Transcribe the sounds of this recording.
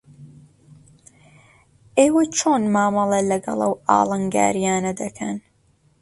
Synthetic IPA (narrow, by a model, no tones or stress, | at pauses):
ʔeːwɐt͡ʃʰoːnmaːmɐlˠɐlɐɡɐ̰lˠʔɐwɑ̰ːlˠɨŋɡa̰ːɾijaːnɐd̪ɐkʰɐn